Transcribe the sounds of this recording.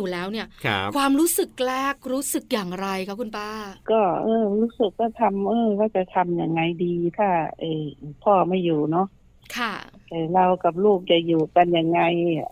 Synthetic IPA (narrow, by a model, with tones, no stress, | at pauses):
uː˨˩lɛː˦˥wni˥˩ɐkʰwaː˧mɾuː˦˥sɯ˨˩k̚lɛː˥˩k̚ɾuː˦˥sɯ˨˩k̚jaː˨˩ŋɾa˧jkʰa˦˥kʰu˧npaː˧˩kɔː˧˩ʔɤː˧ɾuː˦˥sɯ˨˩kːɔː˧˩t̪ʰa˧mʔɤː˧waː˧˥˩t͡ɕa˨˩t̪ʰa˧mja˨˩ŋːa˧jdiː˧t̪ʰaː˧˩ʔɤː˧˩p̪ʰɔː˧˩ma˧˥˩juː˨˩nɔ˦˥ʔ | kʰa˥˩t̪ɛ˧˩la˧wka˨˩p̬̚loː˥˩k̚t͡ɕa˨˩juː˨˩ka˧nja˨˧˩ŋːa˧j